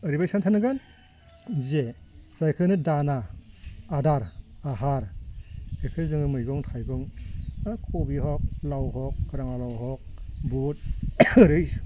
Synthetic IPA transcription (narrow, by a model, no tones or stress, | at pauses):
ɯɾibajsantʰanɯɡan | zezajkʰɯnɯdanaː | daɾaɦaɾ | ejkʰɯzɯŋɯmɯjɡɔŋtʰajɡɔŋakʰɔbiɦɔk̚lawɦɔk̚ːɾaŋalawɦɔk̚but̚ɾɯjs